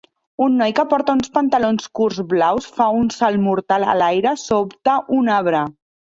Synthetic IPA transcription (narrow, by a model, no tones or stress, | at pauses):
unːɔjkəpɔɾt̪əunspənt̪əlonskuɾzβlawsfaunsalˠmuɾt̪alə̰lajɾəsopt̪əʔunaβ̞ɾə